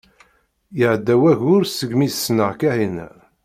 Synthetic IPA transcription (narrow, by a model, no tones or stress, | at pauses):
jəʕd̪ːæwæʝʊɾsəɡmissːnəʁkæhin